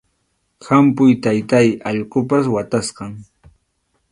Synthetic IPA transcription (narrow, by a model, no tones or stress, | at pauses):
hampʊjt̪ajt̪ajɑʎqopaswat̪asqɑŋ